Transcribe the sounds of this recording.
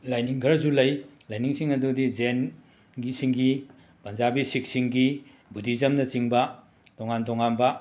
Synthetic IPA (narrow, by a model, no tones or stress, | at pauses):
lajniŋkʰɐɾzulɐjlajniŋsiŋɐdudizen | ɡisiŋɡi | pɐnzabisik̚siŋɡi | bʱudizɐmnɐt͡ʃiŋbɐ | toŋantʰoŋanbɐ